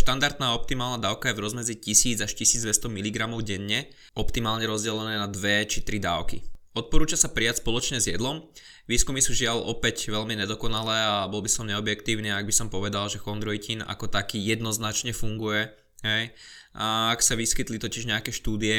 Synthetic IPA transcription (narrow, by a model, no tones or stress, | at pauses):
ʃt̪and̪aɾd̪naːɔp̚t̪imaːlnad̪aːʊkajɛvɾɔzmɛzicisiːd͡zaʃcisiːd͡zd̪ʋɛst̪ɔmiliɡɾamɔʊɟɛɲːɛ | ɔpt̪imaːlɲɛɾɔzɟɛlɛnɛːnad̪ʋɛt͡ʃit̪ɾid̪aːʊkḭɔt̪̚pɔɾuːt͡ʃasapɾɪacspɔlɔt͡ʃɲɛzjɛd̪lɔm | ʋiːskumisuːʒɪalɔ̰pɛcʋɛʎmiɲɛd̪ɔkɔnalɛːabɔlbisɔmɲɛɔbjɛkt̪iːʊniːaɡ̚bisɔmpɔʋɛd̪alʒɛxɔnd̪ɾɔjcina̰kɔt̪akiːjɛd̪nɔznat͡ʃɲɛfuŋɡujɛ | ɦɛj | ʔaaksaʋiskit̪lit̪ɔciʒɲɛakɛːʃt̪uːd̪iɛ